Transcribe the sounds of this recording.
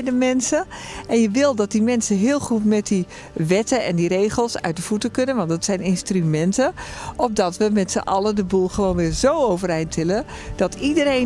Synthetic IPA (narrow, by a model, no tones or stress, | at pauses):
dəmɛnsəɛnjəʋɪlˠdɔt̚dimɛnsəɦɪːlˠχutmɛt̚di | ʋɛtəɛndirejχəlˠsœ̰ɥtdəfutəkønənʋɑntdətsɛjnɪnstrymɛntəʔɔp̚dɔtʋəmɛtsə̰ʔɑlədəbulˠxəʋoːnʋɪːɹzowowvərɛjntʋɪlə | d̥ɔtʰidəre